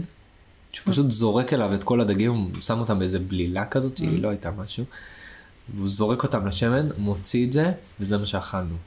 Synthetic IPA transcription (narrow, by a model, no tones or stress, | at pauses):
ʃeupaʃut̪zo̞ʁe̞ke̞lavet̪ko̞lad̪aɡimsamo̞t̪amezeblilakazo̞t̪t͡ʃḭḭlo̞ajtamaʃu | veuzo̞ʁe̞ko̞tamlaʃe̞me̞nmo̞t͡siːtze̞vezemaʃeaχalnu